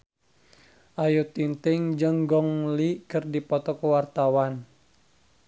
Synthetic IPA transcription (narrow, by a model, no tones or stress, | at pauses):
ʔajut̪int̪ɪŋd͡ʒəŋɡɔŋlikɨrdipɔt̪ɔkəwart̪awan